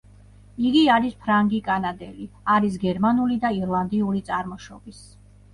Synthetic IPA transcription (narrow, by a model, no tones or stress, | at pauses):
iɡiaɾispʰɾaŋɡikʼanad̪ɛliaɾisɡɛɾmanulid̪aiɾlˠand̪iuɾit̪sʼaɾmɔʃɔbis